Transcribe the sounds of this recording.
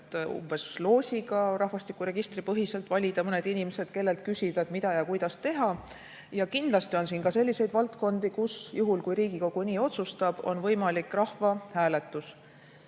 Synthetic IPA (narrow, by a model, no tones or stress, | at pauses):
t̪ːṵmb̥e̞slo̞ːsʲiɡɑɾɑhvɑst̪ikːˑuɾe̞ɡ̥ist̪ripɤɦise̞lt̪ːˑvɑlʲid̪̥ɑmɤne̞d̪inimese̞d̪̥ke̞lːe̞lt̪̚kysiv̥ɑemid̪̥ɑjɑkujd̪̥ɑst̪e̞ɦɑ | jɑkind̪̥lɑst̪io̞nsiːnkɑse̞lʲːise̞jd̪vɑlt̪ko̞nd̪̥ikusjuɦulkujɾiːɡiko̞ɡ̥uniːo̞t̪sust̪ɑb̥o̞̰nvɤjmɑlikrɑhvɑhæːle̞t̪ːˑus